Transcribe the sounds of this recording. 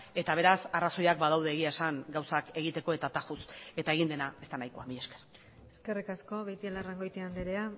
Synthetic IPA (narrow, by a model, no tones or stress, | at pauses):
e̞t̪aβ̞e̞ɾasaraso̞jakbað̞awð̞e̞ːɣiaesaŋɡawsake̞ɣit̪e̞ko̞e̞t̪at̪axuse̞t̪ae̞ɣind̪e̞naest̪anajkoamiʎe̞skeɾ | eske̞rikasko̞βejt̪ielaraŋɡo̞jt̪iand̪eɾea